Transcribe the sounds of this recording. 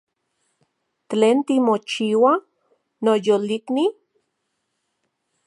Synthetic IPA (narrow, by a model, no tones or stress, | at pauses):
teːnt̪imot͡ʃiːwa | nojolikni